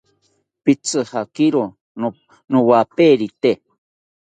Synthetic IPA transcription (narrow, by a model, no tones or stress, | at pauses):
pit͡sɨhakiɾo | nuwapeɾit̪e